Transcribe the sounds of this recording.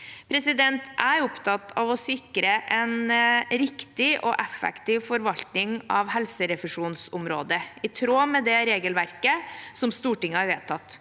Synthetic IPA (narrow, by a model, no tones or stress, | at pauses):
pʰɾɛsɪd̪ɛnt̪ʰʔæɾʊpt̪ʰɑt̪ʰɑʋɔsɪkɾəʔɛnɾɪkt̪ɪʔɔ̰ʔɛfɛ̰kt̪ɪːʋfɔɾʋɑlt̪nɪŋɑʋɦɛlsəɾɛfəʂuːnsʊmɾoːd̪əɪt̪ʰɾoːmɛd̪ɛɾeːɡəlʋæɾkəsɔmst̪uːʈɪŋːəhɑɾʋeːt̪ʰɑt̪ː